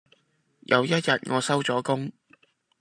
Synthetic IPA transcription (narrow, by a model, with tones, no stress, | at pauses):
jʔɐ̰˨˧wjɐ˥t̚jɐ˨t̚ŋɔː˨˧sɐ˥wt͡sɔː˨˥kʊ˥ŋ